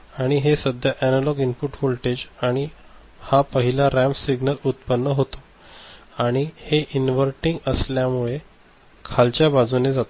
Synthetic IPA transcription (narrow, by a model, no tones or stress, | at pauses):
aɽ̃iɦesəd̪ʱjaʔænəlɔɡinpuʈholʈed͡ʑaɽ̃i | hapəɦilaɾæmsiɡnəlut̪̚pənːəɦot̪o̥ | aɽ̃iheʔinʋəɾʈiŋɡəsljamuɭe | kʰalt͡ɕjabad͡zuned͡zat̪o